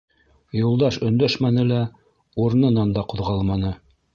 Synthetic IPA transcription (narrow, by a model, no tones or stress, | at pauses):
julˠd̪ɑʃɵ̆nd̪æʃmænɘlæ | uɾɤnɤ̆nɑnd̪ɑqŏðʁɑlˠmɑnɤ